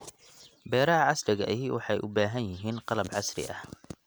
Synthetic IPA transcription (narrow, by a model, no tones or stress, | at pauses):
bɛːɾɐɐʕɑsrɪɣɐʔɪɦɪwʔɑħɑjʔʊbaːɦɐnjɪɦiːnqɑlɐbʕɑsɾɪ̰ʔɐh